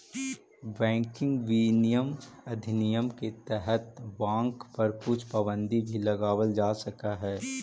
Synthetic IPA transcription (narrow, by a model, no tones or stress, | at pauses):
bɛ̃ːŋkɪ̃ŋɡʋiːnijəmɐd̪ʱnijəmket̪ɛɦət̪bãːŋkpɐɾkʊt͡ʃʰpɐbə̃nd̪ibʱilɐɡaːwəld͡ʒaːsɐkaɦɛː